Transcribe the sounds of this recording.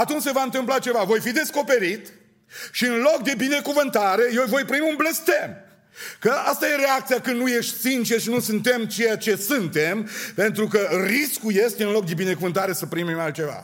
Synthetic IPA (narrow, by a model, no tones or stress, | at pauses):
at̪unt͡ʃʲse̞vaɨnt̪ɨmplat͡ʃe̞vavo̞jfid̪e̞sko̞pe̞ɾit̪ | ʃiɨnlo̞k̚d̪e̞bine̞kuvɨnt̪aɾe̞jewvo̞jpɾimʲunble̞st̪em | kəast̪aje̞ɾe̞akt̪sijakɨnnuje̞ʃt̪ʲsint͡ʃeʃinusɨnt̪e̞mt͡ʃe̞jat͡ʃe̞sɨnt̪empe̞nt̪ɾukəriskuje̞st̪eɨnlo̞k̚d̪e̞bine̞kuvɨnt̪aɾe̞səpɾimimalt̪̚t͡ʃe̞va̰